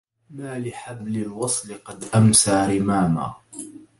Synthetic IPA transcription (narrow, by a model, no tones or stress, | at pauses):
maːlɪħablɪlwɑsˤlɪqɑd̪ʔamsaʕɾɪmaːma̰